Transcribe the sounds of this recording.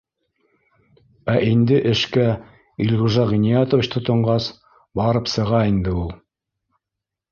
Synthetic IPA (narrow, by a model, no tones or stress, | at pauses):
æʔind̪ɘʔɘ̆ʃkæ | ilʲʁuʒɑʁinijɑt̪ŏvɘ̆t͡ɕt̪ŏt̪ŏɴɢɑs | bɑɾɤpsɤ̆ʁɑind̪ɘulˠ